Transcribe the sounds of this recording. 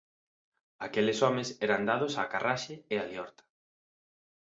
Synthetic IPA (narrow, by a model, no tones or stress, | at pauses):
akelesɔmesɛɾand̪aðʊsaːkaraʃeealjɔɾt̪ḁ